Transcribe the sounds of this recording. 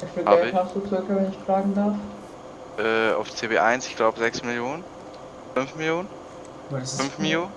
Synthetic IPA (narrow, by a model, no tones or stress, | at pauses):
ʔɛfeɡhaːɛhasd̥uːt͡sʁʏkəvɛnɪçfl̥aːɡŋ̩daɐf | ʔɛːa̰ʊft͡seːbḛːʔa̰ɪnsɪ̥çɡ̥laʊbəzɛksmɪljoːnən | fʏnfmɪljoːnən | mafʏnfmiljoː